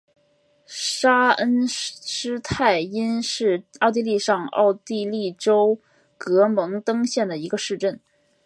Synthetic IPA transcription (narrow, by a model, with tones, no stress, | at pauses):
ʂa˥ə˥nʂɻ̩˥t̪ʰa˥˩ɪi˥nɻ̩˥˩ɑ˥˧ʊt̪̬i˥˧li˥˧ʂɑ˥˧ŋɑ̰˥˧ʊt̪i˥˧li˥˩ʈ͡ʂo˥ʊ | kɤ˧˥mɤ˧˥ŋt̪ɤ˥ŋɕjɛ˥˩nd̪ə˩i˧˥ɡə˧ʂɻ̩˥˧ʈ͡ʂə˥˩n